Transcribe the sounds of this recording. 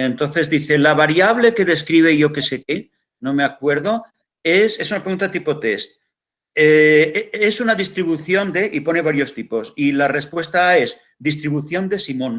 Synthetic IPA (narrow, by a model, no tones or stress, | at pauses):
ent̪o̞nθe̞zðiθe̞laβ̞aɾjaβ̞le̞ke̞ðe̞skɾiβ̞e̞iʝo̞ke̞se̞ke̞ | no̞me̞akwe̞ɾð̞o̞ | e̞se̞sunapɾeɣunt̪at̪ipo̞t̪e̞st̪̚ | e | esunaðist̪ɾiβ̞uθjo̞nd̪e̞ʔipo̞ne̞βaɾjo̞st̪ipo̞silare̞spwe̞st̪ae̞z | d̪is̬t̪ɾiβuθjo̞nd̪e̞simõ̞n